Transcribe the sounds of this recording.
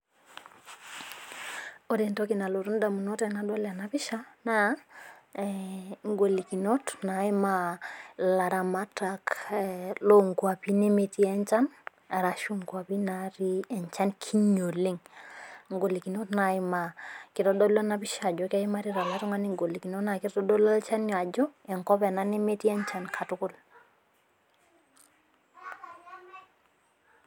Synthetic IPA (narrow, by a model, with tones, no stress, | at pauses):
o˦dɛ˨ntɔ˦ki˨na˨lo˨ɾu˦nda˨mu˨no˦tɛ˨na˦ɗɔ˦la˨na˨pi˦ʃa˦na˦ | ŋɡo˨li˨ki˨no˦tna˨˦i˦ma | la˨ɾa˨ma˦ta˦k | lo˦ŋkwa˨pi˦ne˦me˨ti˦ɛ˦ɲt͡ʃa˦n | a˨ɾa˨ʃu˦ŋkwa˨pi˦naɾi˦ɛ˨ɲt͡ʃa˦nkʰi˦ɲo˨li˦ŋŋɡo˨li˨ki˨no˦tna˨i˦ma˨ki˨tɔ˦dɔ˦lɔ˦na˦pi˦ʃa˨d͡ʒɔ˨˦ka˦i˦ma˦ɾi˦ɾa˨la˦ɾu˦ŋa˦ni˦ŋɡo˨li˨ki˨no˦na˨ki˦tɔ˦tɔ˦dɔ˦lɔ˦lt͡ʃa˦nɲ˨a˨d͡ʒɔ˦ɛ˨ŋkɔ˦pɛ˨na˦ne˦me˦ti˦ɛ˦nt͡ʃa˦nkʰa˨tu˦ku˦l